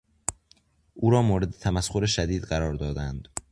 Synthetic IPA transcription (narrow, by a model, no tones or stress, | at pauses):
ʔuːɾɒːmoːɾe̞d̪et̪ʰæmæsxoɾeʃæd̪iːd̪ɢæɾɒːɾd̪ɒːd̪ænd̪